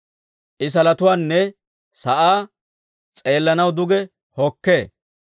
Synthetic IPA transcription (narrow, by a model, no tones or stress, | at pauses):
ʔɪs̬ɐlɐt̪ʊwaːnːɛ | sɐʔaː | t͡sʼe̞ːlːɐnɐwd̪ʊɡɛ | hɔkːeː